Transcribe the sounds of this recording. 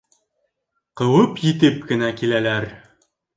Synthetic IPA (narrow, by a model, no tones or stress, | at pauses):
qɤ̆wɤpjit̪ɘpkɘ̆nækilælæɾ